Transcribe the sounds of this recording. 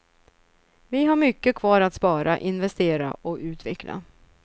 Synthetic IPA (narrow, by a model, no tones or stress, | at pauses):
vɪɦaɾmʏkːəkʰvɑːɾat̪spɑːɾaʔɪnvɛst̪eːɾa̰ɔʉ̟ːt̪vɛkla̰